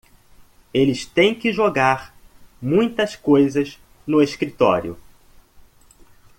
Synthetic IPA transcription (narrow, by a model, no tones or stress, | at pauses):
elɪst̪ẽj̃kɪʒoɡaɾmũj̃t̪ɐskojzɐz | nʊeʃkɾit̪ɔ̰ɾjʊ̰